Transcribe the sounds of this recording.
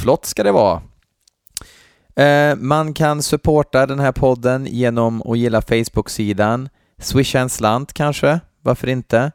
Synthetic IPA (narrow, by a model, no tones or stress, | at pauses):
flɔt̪ːskad̪ɛvɑ̰ː | mankʰansɵpʰoːʈad̪ɛnɦæːɾpʰɔd̪ːənjeːnɔmɔ̰jɪlːafɛjsbɵksiːd̪an | swɪʃːansland̪kʰanʂə | vaɾfœɾɪnt̪ə